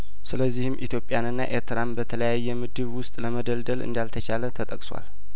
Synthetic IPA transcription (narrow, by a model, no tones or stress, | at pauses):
sɨləzːihɨmʔit̪ʰjo̞pʼjanɨnːa̰ʔe̞ɾt̪ʰɨɾambət̪ʰələjajːɛmɨd̪ɨβwʊst̪ʼləməd̪əld̪əlɨ̰nd̪alt̪ʰət͡ʃʰalət̪ʰət̪ʼəkʼswa̰l